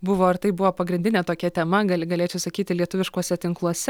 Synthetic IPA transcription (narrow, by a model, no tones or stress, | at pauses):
bʊʋoːɐɾt̪ɐɪbʊʋoːpɐɡɾʲɪnd̪ʲɪnʲeːt̪oːkʲɛt̪ʲɛmɐɡɐlʲɡɐlʲeːt͡ʃʲɛʊsɐkʲiːt̪ʲɪlʲiɛt̪ʊʋʲɪʃkuɔsʲɛt̪ʲɪŋklˠuɔsʲɛ